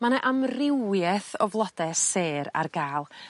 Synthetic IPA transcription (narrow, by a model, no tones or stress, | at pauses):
manɛʔamrɪwjɛθɔvlˠɔd̥ɛseːɾa̰rɡaːlˠ